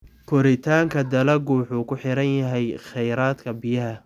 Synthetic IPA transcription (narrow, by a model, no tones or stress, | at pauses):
kʰɔɾɪt̪ʰaːŋkʰɐd̪ɐlɐɡuːħuːkʰʊħɪɾɐnjɐɦɛjχɛjɾaːd̪kʰɐbɪjɐɦɐ